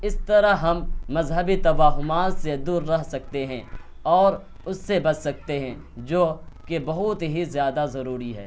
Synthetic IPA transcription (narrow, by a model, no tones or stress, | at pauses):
ɪst̪ɐɾaɦɦɐmːɐzɦəbit̪ɐʋaːɦʊmaːt̪sed̪uːɾːɐɦsɐk̚t̪eɦɛ̃ | ɔːɾ | ʊsːebɐt͡ʃsɐk̚t̪eɦɛ̃ | d͡ʒoːkebɐɦʊt̪ɦizjaːd̪azɐɾuːɾiɦɛ̰ː